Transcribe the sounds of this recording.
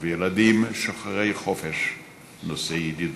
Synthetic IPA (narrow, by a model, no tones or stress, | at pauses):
vejelad̪imʃoχaʁejχofeʃ | nosejd̪id